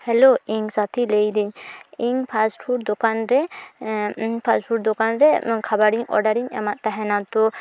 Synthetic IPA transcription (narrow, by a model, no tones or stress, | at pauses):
hɛloiŋsat̪ʰilɛjd̪iɲiŋpʰasʈfʰuʈd̪ɔkanɾɛ | pʰasʈpʰuʈd̪ɔkanɾɛkʰabaɾiɲɔ̰ɾɖaɾiɲa̰maʔt̪aɦɛnat̪ɔ